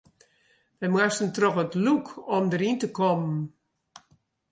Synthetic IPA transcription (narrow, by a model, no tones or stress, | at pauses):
ʋɛmwastn̩trɔxətlukʰɔmdəɾintəkɔmn